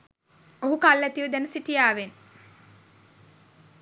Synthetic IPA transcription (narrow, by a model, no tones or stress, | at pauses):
oɦukalːæt̪iʋud̪ænəsiʈijaːʋen